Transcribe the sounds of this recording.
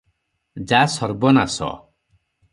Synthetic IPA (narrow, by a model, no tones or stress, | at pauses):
d͡ʒasɔɾbɔnasɔ̰